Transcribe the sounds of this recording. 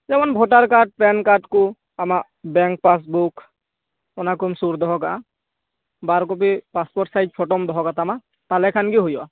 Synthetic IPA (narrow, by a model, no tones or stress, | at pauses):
zɛmanbʱɔʈaɹkaʈ̚pɛnkaʈku | amaʔ | bɛŋk̚pas̬buk | ɔnakumsuɾd̪ɔɦɔɡa̰ | baɾk̬ɔp̬ipaspɔʈsajt̚pʰɔʈɔmd̪ɔɦɔɡat̪ama | t̪alɛkʰanɡiɦojɔa